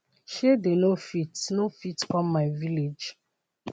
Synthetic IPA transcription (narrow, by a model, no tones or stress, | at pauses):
ʃedenofitnofitkɔ̃mːaɪviled͡ʒ